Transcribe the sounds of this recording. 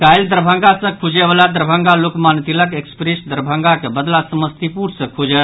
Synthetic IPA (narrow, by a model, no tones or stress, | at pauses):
kajld̪əɾbʱəŋɡasə̃kʰud͡ʒeʋəlad̪əɾbʱəŋɡalokmant̪iləkekspɾesd̪əɾbʱəŋɡakebəd̪lasəməst̪ipuɽsə̃kʰud͡ʒət̪